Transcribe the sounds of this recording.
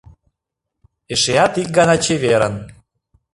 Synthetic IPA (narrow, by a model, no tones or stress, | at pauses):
eʃeɑt̪ik̚ɡɑnɑt͡ɕeβeɾə̰n